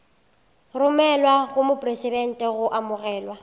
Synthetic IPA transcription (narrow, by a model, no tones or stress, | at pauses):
rʊmɛlwaɣʊmʊpʼresidɛn̩tʼɛɣʊʔamʊɣɛːlwa